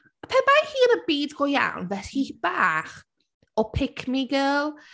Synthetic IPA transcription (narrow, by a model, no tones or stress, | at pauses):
apʰɛnmajχiːənəbiːdɡɔja̰wnvɛshib̥aːχ | ɔpʰɪkʰmiɡəːlˠ